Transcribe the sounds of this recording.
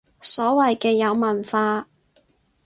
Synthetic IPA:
sɔː˨˥wɐ˨jkɛː˧jɐ˨˧wmɐ˨˩nfaː˧

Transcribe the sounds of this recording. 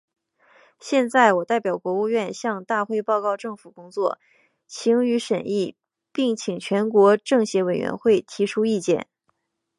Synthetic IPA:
ɕjɛ˥˧nt͡sa˥˩ɪwɔ˨˩t̪a˥˩ɪpjɑ˨˩ʊkwɔ˧˥u˥˧ɥɛ˥˧nɕjɑ˥˧ŋt̪a˥˧xwe˥˧ɪpɑ˥˧ʊkɑ˥˧ʊʈ͡ʂɤ˥˩ŋfu˨˩kʊ˥ŋt͡swɔ˥˩ | t͡ɕʰi˧˥ŋy˧˥ʂə˨˩ni˥˩ | pi˥˩ŋt͡ɕʰi˨˩ŋt͡ɕʰɥɛ˧˥nkwɔ˧˥ʈ͡ʂɤ˥˩ŋɕjɛ˧˥we˨˩ɪɥɛ̰˧˥nxwe˥˩ɪt̪ʰi˧˥ʈ͡ʂʰu˥i˥˧t͡ɕjɛ̰˥˩˦n

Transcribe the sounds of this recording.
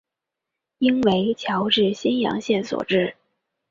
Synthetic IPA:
i˥nwe˧˥ɪt͡ɕʰjɑ˧˥ʊʈ͡ʂɻ̩˥˩ɕɛ˥njɑ̰˧˥ŋɕjɛ˥˩nswɔ̰˨˩ʈ͡ʂɻ̩˥˩

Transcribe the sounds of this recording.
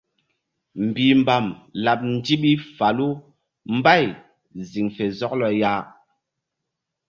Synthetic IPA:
m̩˨bi˨m̩˨ba˨mla˨p̚n̩˦di˦ɓi˦fa˨lu˦ | m̩˦ba˦˨j | zi˨ŋfe˨zɔ˦k̚lɔ˨ja˦

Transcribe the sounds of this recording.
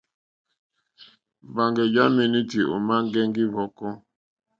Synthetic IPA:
m˨ba˨ŋɡɛ˨d͡ʒa˦mi˨ni˦ti˨ʔṵ˨ma˦ŋ˦ɡɛ˦ŋ˦ɡi˦vɔ˨kɔ˦

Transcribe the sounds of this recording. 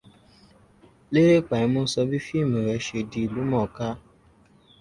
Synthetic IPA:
le˦ɾe˦˨k͡pa˨ĩ˨˧˦mũ˦sɔ˧bi˦fi˦˨mĩ˨ɾɛ˧˨˦ʃe˧di˧i˨lu˨˦mɔ̃˦˨ka˦

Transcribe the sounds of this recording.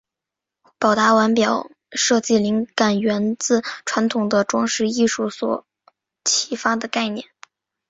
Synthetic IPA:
pɑ˨˩ʊt̪a˧˥wa˧˥npjɑ˨˩ʊ | ʂɤ˥˧t͡ɕi˥˩li˧˥ŋka˨˩nɥɛ˧˥nt͡sɹ̩˥˩ʈ͡ʂʰwa˧˥nt̪ʰʊ˨˩ŋd̪ə˦ʈ͡ʂwɑ˥ŋʂɻ̩˥˧i˥˧ʂu˥˩swɔ̰˨˩ | t͡ɕʰi˧˥fa˥d̪ə˨ka˥˧ɪnjɛ̰˥˩n

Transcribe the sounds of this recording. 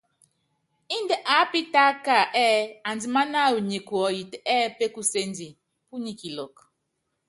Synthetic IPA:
i˦n˦de˨ʔa˨˦pi˦ta˦ka˨ʔɛː˦a˨n˨di˨ma˦na˦˨u˨ɲe˨kwɔ˨ji˨tɛː˦pe˦ku˦se˦n˦di˨ | pu˦ɲi˨ki˨lɔ˨k

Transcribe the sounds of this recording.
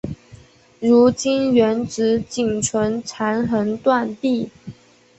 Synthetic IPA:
ɻu˧˥t͡ɕi˥nɥɛ˧˥nʈ͡ʂɻ̩˧˥t͡ɕi˨˩ŋʈ͡ʂʰwə˧˥nʈ͡ʂʰa˧˥nxə˧˥nt̪wa˥˧nt̪i˥˩

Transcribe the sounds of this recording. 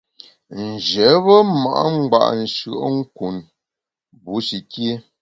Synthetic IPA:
n̩˨d͡ʒɛ˨˦βə˦ma̰˨ʔŋ͡m̩˦ɡ͡ba̰˦˨ʔn̩˨ʃə˨ʔŋ̩˦ku˨n | bu˨˦ʃi˨kje˦

